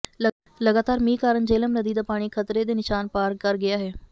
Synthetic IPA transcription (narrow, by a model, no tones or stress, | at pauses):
lə | ləɡaːt̪aːɾmĩːkaːɾəɳd͡ʒeːləmnəd̪iːd̪aːpaːɽ̃iːkʰət̪ɾeːd̪eːnɪʃaːnpaːɾkəɾɡɪaːɦɛː